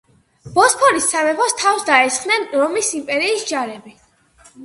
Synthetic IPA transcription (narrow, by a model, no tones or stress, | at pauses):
b̥ɔspʰɔɾisːamɛpɔst̪ʰafsd̪aɛsχnɛnɾɔmisimpʼɛɾiːsd͡ʒaɾɛbi